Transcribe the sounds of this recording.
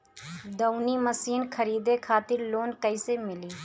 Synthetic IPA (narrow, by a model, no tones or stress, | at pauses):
d̪əʊniːməsiːnkʰəɾiːd̪ekʰaːt̪ɪɾloːnkəɪsemɪliː